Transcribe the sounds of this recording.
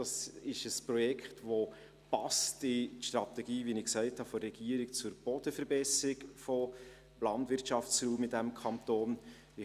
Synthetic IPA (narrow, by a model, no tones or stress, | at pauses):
d̥ɑsɪʃəspɾɔjɛkʰχtʋo | pɑstɪʃt̪ɾɑtɛɡiːvinɪksæɪthɑfɔrɛɡ̥iəɾɪkt͡sʊɾb̥ɔd̥əfəɾbɛsɪkfo | lɑntʋɪɾtt͡ʃɑft͡sɾuːmɪdɛmkʰɑnt̪oːn | ɪ